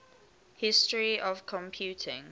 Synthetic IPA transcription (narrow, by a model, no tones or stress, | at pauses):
hɪstɹiʔɔvkʰɔ̃mpʰjuːˑtʰɪ̃ŋ